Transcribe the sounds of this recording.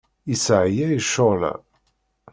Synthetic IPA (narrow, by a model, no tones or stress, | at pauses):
isʕjæjəʃːolæ̰